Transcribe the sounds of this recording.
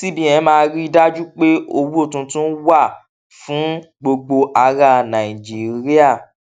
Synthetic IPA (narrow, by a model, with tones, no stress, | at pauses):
ti˦bĩ˦˨ɛ̃˨˦mãː˧˦ɾi˦i˦˧da˦d͡ʒu˦k͡pe˦o˧wu˦o˦˨tũ˧tũ˦n̩˦wa˦˨ | fũ˨˦ | ɡ͡bo˧ɡ͡bo˧ʔa˧ɾa˧˨nã˨i˨d͡ʒi˨˦˨ɾi˦a˦˨